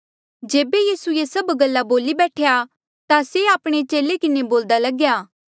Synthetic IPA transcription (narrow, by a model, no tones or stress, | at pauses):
d͡ʒeːbejiːsuesɐbɡɐlːaboːlibɛːʈʰeja | t̪aseaːpɽ̃et͡ʃeːlekɪneboːld̪alɐɡjaː